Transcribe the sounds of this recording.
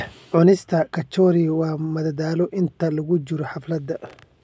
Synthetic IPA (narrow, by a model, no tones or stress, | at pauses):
ʕʊnɪst̪ʰɐkʰɐt͡ʃɔːɾiwɑːmɐðɐdaːlɔʔɪnt̪ʰɐlɐɣʊt͡ʃɪɾɔħɑflɐd̪ːɐ